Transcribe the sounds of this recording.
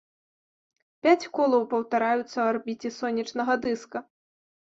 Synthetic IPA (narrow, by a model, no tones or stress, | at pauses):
pʲat͡sʲkɔlˠɐwpɐwt̪aɾajut̪sːɐarbʲit͡sʲɛsɔnʲːit͡ʂnɐɣɐd̪ɨskɐ